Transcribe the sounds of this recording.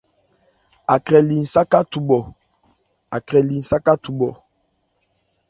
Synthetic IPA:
a˨kɾɛ˨li˨n̩˨sa˦ka˦tu˨ɓɔ˨ | a˨kɾɛ˨li˨n̩˨sa˦ka˦tu˨ɓɔ˨

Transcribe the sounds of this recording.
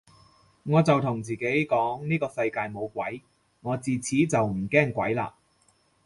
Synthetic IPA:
ŋɔː˨˧t͡sɐ˨wt̪ʰʊ˨˩ŋt͡siː˨ke˨˥jkɔː˨˥ŋniː˥kɔː˧sɐ˧jkaː˧jmo˨˧wkʷɐ˨˥j | ŋɔː˨˧t͡siː˨˩t͡sʰiː˨˥t͡sɐ˨wm̩˨˩kɛː˥˩ŋkʷɐ˨˥jla̰ː˧

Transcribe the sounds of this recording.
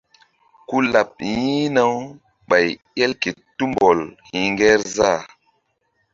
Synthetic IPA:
ku˦la˨p̚jĩ˦na˦w | ɓa˨j | e˦lke˨tːu˦mbo˨lhi˨ŋɡɛ˦ɾza˦˨

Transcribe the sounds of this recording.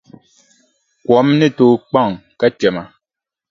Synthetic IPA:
kwɔ˨˦mnɛ˦˨to˦˨k͡pa˦˨ŋka˦t͡ʃɛ˨ma˨

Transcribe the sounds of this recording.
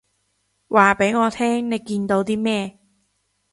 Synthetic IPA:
waː˧˩pa˨˦jŋɔː˧˩t̪ʰɛː˥˩ŋna˧jki˧nd̪o˧wt̪ʰi˥˩mɛː˥˧˩

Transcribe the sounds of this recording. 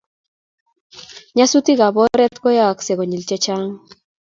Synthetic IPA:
ɲa˦su˦ti˦ɣa˨bɔ˦ɾɛ˦t̪ko˦ja˦˨ksɛ˨ɣo˨ɲi˨lt͡ʃɛ˦t͡ʃa˦ŋ

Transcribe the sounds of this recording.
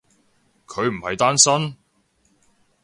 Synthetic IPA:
kʰɵ˨˧ɥm̩˨˩hɐ˨jt̪aː˥nsɐ˥n

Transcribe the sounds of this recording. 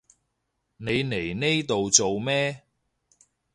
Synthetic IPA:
ne˨˧jne˨˩jne˥jt̪o˨wt͡so˨wmɛː˥

